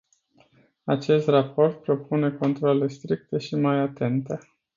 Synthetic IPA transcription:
at͡ʃe̞st̪rapo̞rt̪̚pɾo̞pune̞ko̞nt̪ɾoale̞st̪ɾik̚t̪e̞ʃimajat̪e̞nt̪e̞

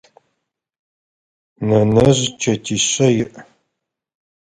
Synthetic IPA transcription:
nɐnɐʑt͡ʃʰɐtʰiɕɐjɪʔ

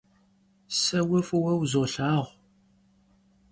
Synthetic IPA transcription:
sæwæfuwæwzoɬaʁ

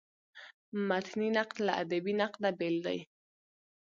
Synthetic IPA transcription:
mat̪ninaqla̰ʔa̰d̪abinaqnabeld̪a̰j

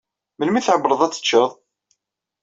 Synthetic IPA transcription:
məlmiθʕəbɾˤəðˤæt͡sːə̥t͡ʃːəðˤ

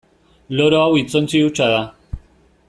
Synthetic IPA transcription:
loɾoawit͡sont͡siut͡ʃaða

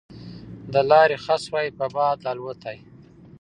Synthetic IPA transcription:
d̪əlɑɾexaswɑjpəbɑd̪lɑlwət̪ʰaj

